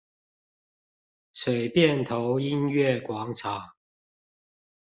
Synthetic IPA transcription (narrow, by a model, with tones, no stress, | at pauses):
ʂwe˨˩ɪpjɛ˥˨nt̪ʰo˨˧˦ʊi˦nɥɛ˥˨kwɑ˨˦ŋt͡sʰa˨˦